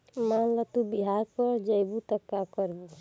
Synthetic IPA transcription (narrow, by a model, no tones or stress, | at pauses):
manlat̪ubiɦaɾkɔɾd͡ʒəjbut̪əkːakɔɾbu